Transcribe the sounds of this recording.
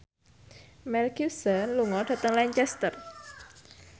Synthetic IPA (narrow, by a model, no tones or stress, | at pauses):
mɛlkusənluŋɔɖ̥ä̤t̪əŋlaɲt͡ʃɛst̪ər